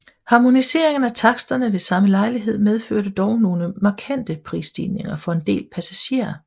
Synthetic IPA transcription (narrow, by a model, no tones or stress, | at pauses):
hɑ̈mo̝nise̝̰ɐ̰e̝ŋn̩æt͡sʰɑ̈ɡ̥sd̥ɐnəʋe̝sɑ̈məlɑ̈ɪliɦe̝ð̰ˠmeð̞ˠføɐ̰d̥əd̥ɒʊno̝ːləmɑ̈kʰæn̰d̥əpʰʁḭːsd̥ḭːne̝ŋɐfɒ̽e̝nd̥e̝̰ːlpʰæsæɕe̝̰ːɐ